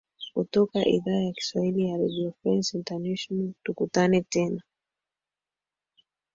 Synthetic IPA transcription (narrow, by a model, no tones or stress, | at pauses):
kutɔkaʔḭðaːjaki̥swahilijaɾɛdiɔfɛnsintanɛʃɔnaltukutanɛtɛna